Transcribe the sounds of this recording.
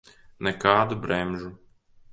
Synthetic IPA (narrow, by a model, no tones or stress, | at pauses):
nɛkaːd̪ʊbɾɛmʒʊ